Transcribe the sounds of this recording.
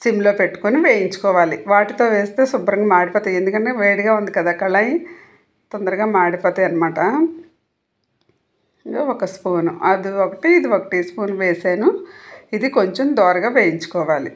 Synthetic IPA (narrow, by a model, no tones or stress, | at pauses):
simlo̞ːpe̞ʈːu̥koniʋeːjiɲt͡ʃu̥kɔːʋaːliʋaːʈit̪o̞ːʋe̞ːst̪e̞ːsubɾɐŋɡamaːɽipɐːt̪ɐend̪ukɐɳʈeːʋeːɽiɡaːund̪ikɐd̪aːkɐɭɐji | t̪ond̪ɐɾɐɡaːmaːɽipɔːt̪ɐjɐnɐmaːʈɐ | oːɔkɐspoːnuɐd̪iokɐʈiːd̪iʋokɐ̥ʈispoːnʋeːsaːnuid̪ikoɲt͡ʃemd̪ɔːɾɐɡaːʋeːjiɲt͡ʃu̥kɔːʋaːlḭ